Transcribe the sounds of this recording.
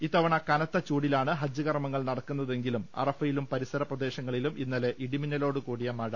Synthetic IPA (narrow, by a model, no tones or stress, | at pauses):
it̪ːɐʋɐɳɐkɐnɐt̪ːɐt͡ɕuːɽilaːɳɨɦɐd͡ʑːɨɣɐrɐmɐŋːɐɭnɐɽɐkːunːɐðe̞ŋɡilumɐ̰rɐfɐjilumpɐɾisɐɾɐprɐd̪e̞ːɕɐŋːɐɭiluminːɐle̞ʔiɽiminːɐlo̞ːɽɨkuːɽijɐmaːɻɐ